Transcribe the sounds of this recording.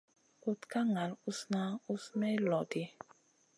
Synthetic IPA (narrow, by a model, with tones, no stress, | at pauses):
u˦tka˦ŋa˨lu˦sna˦u˦smɛ˦lɔ˨ti˦